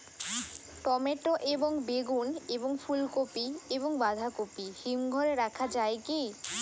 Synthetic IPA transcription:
ʈɔmeʈoʔeboŋbeɡuneboŋfʰulkopieβoŋbad̪ʱakopihimɡʱɔɾeɾakʰad͡ʑaeke

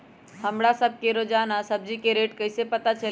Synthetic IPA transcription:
həmɽasəb̚keɾod͡ʒaːnasəb̚d͡ʒikeɾeːʈkəɪsepət̪at͡ʃəl

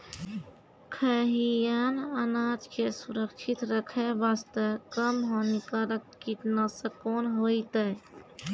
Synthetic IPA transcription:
kʰəɦijanənaːd͡ʒkʰesuɾəkt͡ʃʰit̪ɾəkʰebast̪əkəmɦonikaɾəkkit̪nəsəkonɦojt̪ə

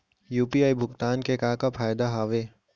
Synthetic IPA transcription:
juːpiaːibʱʊkt̪aːnkekaːkapʰaːjd̪aɦaːʋeː

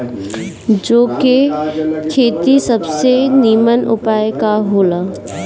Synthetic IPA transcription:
d͡ʒoːkekʰeːt̪isəbseniːmənʊ̰paːjkaɦoːlaː

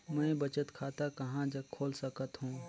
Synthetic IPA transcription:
mɛ̃bɐt͡ʃət̪kʰaːt̪akɐɦãd͡ʒɐɡkʰoːlsɐkət̪ɦũː

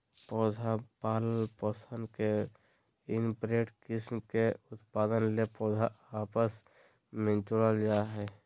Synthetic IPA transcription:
pɔːd͡ʒʱapaːləlpəsə̃nd̪ke | ɪnpɾeːʈkɪsmkeʊt̪paːd̪ənlepɔːd͡ʒʱaaːpəs | mẽnt͡ʃuɾəld͡ʒaɦɛ

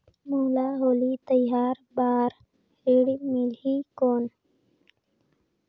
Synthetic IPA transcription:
muːlaːɦoːlit̪əjaːɾbaːɾ | ɾiɽimiliːkoːn

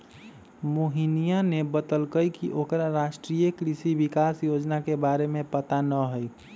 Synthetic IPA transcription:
moɦinijanebət̪əlkəjkiʔokɾaɾaʃʈɾijəkɾisibikasjod͡ʒnakebaɾemẽpət̪anəɦəj

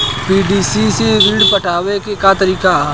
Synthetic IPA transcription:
piːɖiːsiseʋɪɖpɐʈʰaːʋekekat̪ɐɾiːka

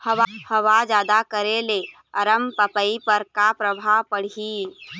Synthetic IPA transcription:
hɐahɐʋad͡ʒaːd̪akəɾele | ɐɾəmpəpəipəɾkapɾɐbʱapəɽ̤iː

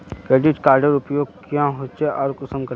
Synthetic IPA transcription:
keːʈit͡ʃkaːɾɖəɾʊpjoːɡ̚kjãɦot͡ʃeʔɔːɾkʊsəmkəɾ

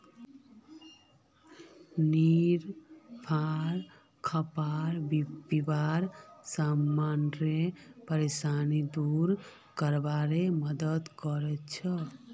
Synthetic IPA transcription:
niɾpʰaɾ | kʰəpaɾbbibaɾsamːanɾepəɾesanid̪uɾ | kəɾbaɾeməd̪ət̪kɔɾɛt̪t͡ʃʰə

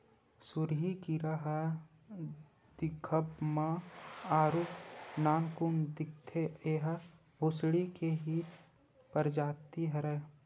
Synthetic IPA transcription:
sʊɾɦikiɾəɦ | d̪̥ɪkʰəpmãaːɾuːpnaːnkʊŋd̪ɪk̚t̪ʰeeːɦə | bʱʊsɽikeɦi | pəɾd͡ʒaːt̪iɦɾɛ

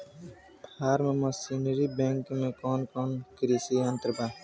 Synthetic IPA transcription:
bʱaːɾmẽmosinəɾibẽŋkmẽkoːnkoːnkɾiːsiɐ̃nt̪əɾbaː

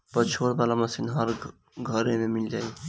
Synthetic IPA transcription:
pət͡ʃʰoɽbalamʌsinɦʌɾ | ɡʱəɾememild͡ʒaːj

